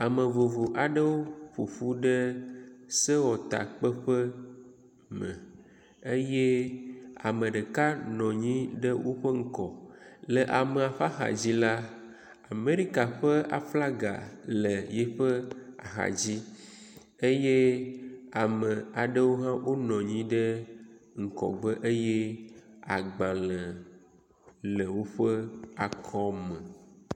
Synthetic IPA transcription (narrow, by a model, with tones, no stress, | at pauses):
a˨mə˨vo˨vo˨ʔa˨ɖə˦wo˦ɸu˨ɸu˦ɖə˦ | sə˦wɔ˨t̪a̰˨k͡pə˦ɸə˦ | mə̰̃˨ | e˦je˦ | a̰˨mə̃˨ɖə˨ka˦nɔ̃˨ɲĩ˦ɖə˦wo˦ɸə˦ŋ̩˦kɔ˨lə˨ʔa˨me˨a˨ɸa˦xa̰˨d͡ʑi˦la˦ | a˨me˦ɾi˦ka˨ɸə˦a̰˨fla˦ɡa̰˨lə˨jɛ˦ɸə˦a̰˨ɦa̰˨d͡ʑi˦ | e˦je˦ | a˨mə̃˨a˨ɖə˦wo˦ɦã˦wʔo˦nɔ̃˨ɲĩ˦ɖe˦ŋ̩˨kɔ̰˨ɡ͡bə˦ʔe˦je˦a˨ɡ͡bã˨lə˨ | lə˨wo˦ɸə˦a˨kʰɔ˦mə˨